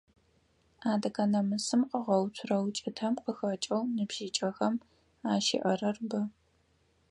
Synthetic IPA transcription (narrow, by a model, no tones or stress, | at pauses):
aːdɐkʰɐnɐmɨsɨmqəʁɐwtʷʰrɐwt͡ʃʼɪtʰɐmqəxɐt͡ʃʼɐwnɨbʒ̥iːt͡ʃʼɐxɐm | aːʃɪ̰ʔɐrɐrbɐ